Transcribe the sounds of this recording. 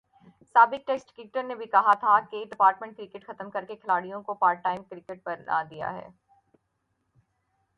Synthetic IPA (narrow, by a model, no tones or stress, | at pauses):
saːbɪk̚ʈeːksʈkiːkʈəɾnebʱikɐɦat̪ʰakeɖɪpaːɾʈmẽɳʈ̚kɾɪkeʈxɐt̪əmkɐɾkekʰɪlaːɽijõkopaːɾʈʈaːɪmkɾɪkeʈ̚bɐɾnʔa̰d̪ija̰ɦɛ̰ː